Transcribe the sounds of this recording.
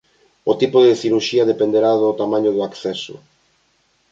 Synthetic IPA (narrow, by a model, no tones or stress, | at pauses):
ot̪ipoðeθiɾuɾʃiɐðepend̪eɾaðot̪amãɲoðoakθɛso̰